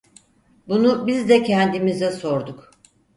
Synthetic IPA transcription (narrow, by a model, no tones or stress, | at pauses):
bunubizd̪ɛcʰɛnd̪imizɛso̞ɾd̪uk